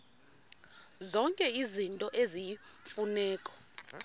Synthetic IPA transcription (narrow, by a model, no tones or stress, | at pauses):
zɔŋkʼɛizintʼɔʔezifunɛːkʼɔ̥